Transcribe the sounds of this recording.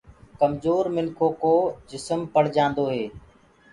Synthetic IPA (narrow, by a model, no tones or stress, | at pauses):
kəmzoːɾmɪnkʰoːkoːd͡ʒɪsəmpəɽ̤d͡ʒãːnd̪oːɦeː